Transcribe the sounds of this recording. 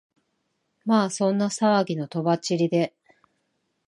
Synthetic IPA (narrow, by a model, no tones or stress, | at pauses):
maːsõ̞nːasaβaɡʲino̞t̪o̞bat͡ɕiɾʲid̪e̞